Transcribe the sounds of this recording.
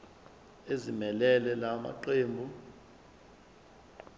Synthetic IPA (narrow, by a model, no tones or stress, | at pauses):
ezimɛlɛlɛlama̰ǃeːmbʱu